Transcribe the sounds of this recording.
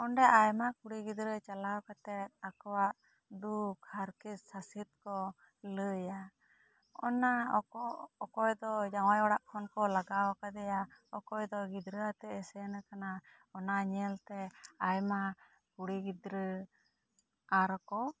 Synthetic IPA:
ɔnɖɛʔajmakuɽiɡid̪ɾət͡ʃalawkat̪ɛt̪̚akɔwaʔ | d̪ukʰhaɾkissasit̪̚kɔ | ləja | ɔ̰naɔɔkɔjd̪ɔd͡ʒawajɔɽaʔkʰɔnkɔlaɡawakad̪ɛjaɔkɔjd̪ɔɡid̪ɾəat̪ɛʔɛsɛnakana | ɔnaɲɛlt̪ɛajma | kuɽiɡid̪ɾə | aɾkɔ

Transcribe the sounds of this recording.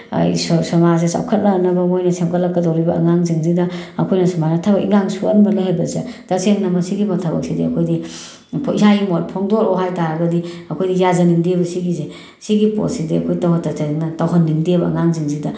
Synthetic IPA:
ssɐmas̬esa̰wkʰɐt̚nanɐbɐmojnɐsemkɐlɐkːɐdawɾibɐʔːŋaŋziŋzidɐɐkʰojnɐsɐmanatʰabɐkiŋaŋsuɐ̰nbɐleɦajbɐzetaseŋnɐmɐsiɡimɐtʰabɐ̰k̚sidiɐkʰojdi | pʰisajimotpʰɔŋdoɾɔwɦajtaɾɐɡɐdiɐkʰojdijazɐnimdebɐsiɡize | siɡipo̰tsidiɐkʰojtawhatːaseŋnɐtawɦɐnːimdebɐɐ̰ŋaŋziŋzidɐ

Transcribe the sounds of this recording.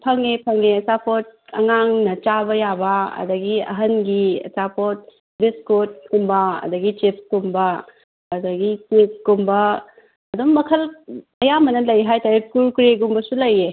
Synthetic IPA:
pʰɐŋepʰɐŋeɐt͡ʃapʰot̚ɐ̰ŋaŋnɐt͡ʃabɐjabɐɐ̰dɐɡiɐ̰ɦɐnɡiɐ̰t͡ʃapʰot̚ | biskot̚kumbɐɐ̰dɐɡit͡ʃip̚kumbɐː | dɐɡikip̚kumbɐ | ɐdumːɐkʰɐl | ɐjamɐnɐlɐjɦajtaɾekuɾkɾeɡumbɐsulɐje

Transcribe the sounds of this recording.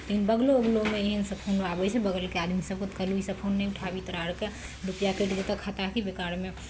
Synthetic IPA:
t̪əinbəɡloəɡlomeeɦənsəbpʰonoabɛt͡ʃʰɛbəɡəlkead̪misəb̚kʊt̪kəluisəbpʰonːɛjʊʈʰabit̪əɾaɾke | ɾupjakeʈd͡ʒet̪əkʰːat̪akibekaɾme

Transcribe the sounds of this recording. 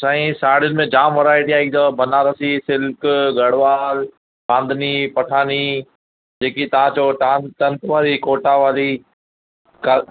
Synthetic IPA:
sãːĩsaːɽjʊnɪmẽd͡ʑaːmʋɐɾaːeʈ̪ʰijãːɪk̚d̪əbɐnaːɾɐsisɪlkɡɐɽ̤ʋaːl | bãːnd̪ʱniːpɐʈʰaːni | d͡ʑeːkit̪ɐʋ̤ãt͡ɕoːʈaʈɐ̃nt̪ʋaːɾikoːʈaʋaːɾiː | kɐ

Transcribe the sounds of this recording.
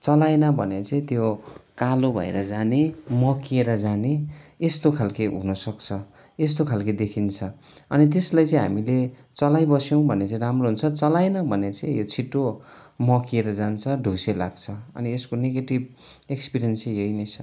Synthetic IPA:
t͡sʌlajnʌbʱʌnet͡sʌĩt̪jokalobʱʌ̰ḛɾʌd͡zanemʌkieɾʌd͡zane | est̪okʰalkeɦṵnʌsʌkt͡sʰʌ | est̪okʰalked̪ekʰint͡sʰʌ | ʌnit̪̬eslajt͡sĩɦa̰mile | t͡sʌlajbʌsjow̃bʱʌnet͡sʌ̃ĩramroɦunt͡sʰʌt͡sʌlajnʌbʱʌnet͡sʌĩjot͡sʰiʈːo | mʌkieɾʌd͡zant͡sʰʌɖʱusela̰ɡ̚t͡sʰʌʌ̰nieskoneɡeʈib | ekspirijʌnsijʌjnʌjt͡sʰʌ

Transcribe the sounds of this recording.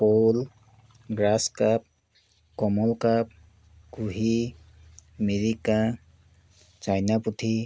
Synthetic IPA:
pol | ɡɾaskap̚ | kɔmɔlkap̚ | ɡuɦi | meɾika | t͡ʃajnaput̪ʰi

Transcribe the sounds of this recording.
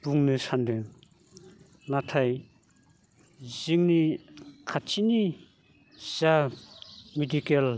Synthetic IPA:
puŋnisʰand̪e | nat̪ʰaj | ziŋnikʰat͡ɕʰini | z̥a | medikel

